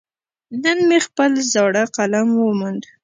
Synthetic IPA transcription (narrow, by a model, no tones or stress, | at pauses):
nənmexpəlzɑɽaqalaŋwəmund̪